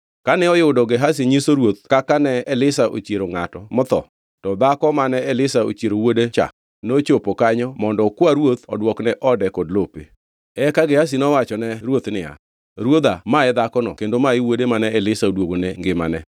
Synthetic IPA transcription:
kanɛɔjʊdɔɡeɦas̬iɲisoɾwot̪̚kakanɛːlɪsaʔo̰t͡ʃjeɾoŋatɔmɔt̪ɔ̰ | tɔd̪akɔmanɛɛlɪsao̰t͡ʃeɾowodet͡ʃa̰k̚ | not͡ʃopokaɲɔmɔndɔkwaɾwot̪ɔdwɔknɛʔɔdɛkɔdlopḛ | ɛkaɡehas̬inɔwat͡ʃɔnɛɾwot̪nɪa̰ | ɾwod̪amaɛd̪akɔnɔ̰kendomaɪwodemanɛɛlɪsaodwoɡoneŋɡɪma̰nɛ

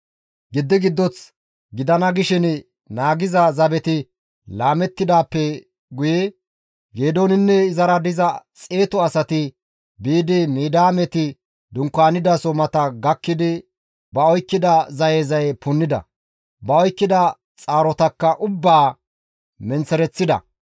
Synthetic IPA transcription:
ɡɪd̪ːɪɡɪd̪ːɔt͡s | ɡɪd̪ɐnɐɡɪʃɪn | naːɡɪzɐzɐbɛt̪ɪ | laːmɛt̪ːɪd̪aːpːɛ | ɡʊjɛ | ɡe̞ːd̪oːnɪnːɛɪzɐɾɐd̪ɪzɐt͡sʼe̞ːt̪ɔɐsɐt̪ɪ | biːd̪ɪmiːd̪aːmɛt̪ɪ | d̪ʊŋkːaːnɪd̪ɐsɔmɐt̪ɐɡɐkːɪd̪ɪ | bɐɔjkːɪd̪ɐzɐjeːzɐjpʊnːɪd̪ɐ̰ | bɐɔjkːɪd̪ɐ | t͡sʼaːɾɔt̪ɐkːɐʔʊbːaː | mɛnt͡sɛɾɛt͡sːɪd̪ɐ̰

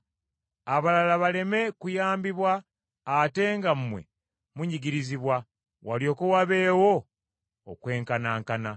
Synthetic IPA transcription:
aβalalaβale̞me̞kujaːmbiβwaː | te̞ŋɡammwe̞̰ | muɲiɡiɾiziβwa | waljo̞ːkuwaβe̞ːwo̞̰ː | kwe̞ːŋkanaːŋkana

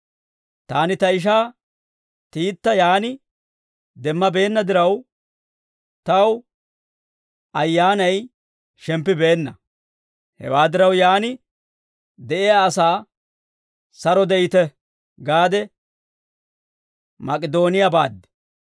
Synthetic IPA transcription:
t̪aːnɪt̪ɐɪʃ̬aː | t̪iːt̪ːɐjaːnɪ | d̪ɛmːɐbe̞ːnːɐd̪ɪɾɐw | t̪ɐw | ɐjːaːnɐj | ʃɛmpːɪbe̞ːnːɐ | hɛ̰waːd̪ɪɾɐwjaːnɪ | d̪ɛʔɪjaːsaː | sɐɾɔd̪ɛʔɪt̪ɛ | ɡaːd̪ɛ | mɐkʼɪd̪o̞ːnɪjabaːd̪ːɛ̥

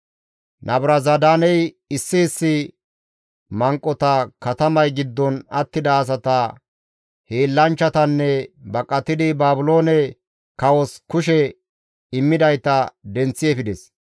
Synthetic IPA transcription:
nʔɐbɾɐzɐd̪aːnɛj | ɪsːɪːsːɪ | mɐŋkʼːɔt̪ɐkɐt̪ɐmɐjɡɪd̪ːɔnɐt̪ːɪd̪ɐːs̬ɐt̪ɐ | heːlːɐnt͡ʃːɐt̪ɐnːɛbɐkʼɐt̪ːɪd̪ɪbaːbʊlo̞ːnɛ | kɐwɔskʊʃɛ | ɪmːɪd̪ɐjt̪ɐd̪ɛnt͡sːɪɛfɪd̪ɛs

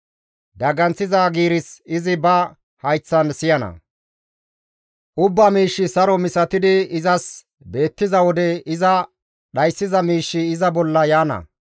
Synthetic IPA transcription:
d̪ɐɡɐnt͡sːɪzaːɡiːɾɪsɪzɪbɐ | hɐjt͡sːɐnsɪjɐnɐ̰ | ʔʊbːɐmiːʃːɪsɐɾɔmɪsɐt̪ɪd̪ɪɪzɐs | be̞ːt̪ːɪzɐwɔd̪ɛɪzɐ | ɗɐjsːɪzɐmiːʃːɪːzɐbɔlːɐjaːnɐ̰

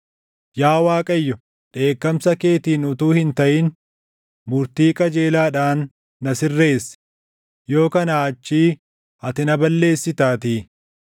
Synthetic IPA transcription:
jaːwaːkʼɐjːɔ | ᶑe̞ːkːɐmsɐke̞ːt̪iːnʊt̪uːhɪnt̪ɐʔɪn | mʊɾt̪iːkʼɐd͡ʒe̞ːlaːᶑaːnː | ɐsɪrːe̞ːs | jo̞ːkɐnaːt͡ʃːiː | ɐt̪ɪnɐbɐlːe̞ːsːɪt̪aːt̪iː

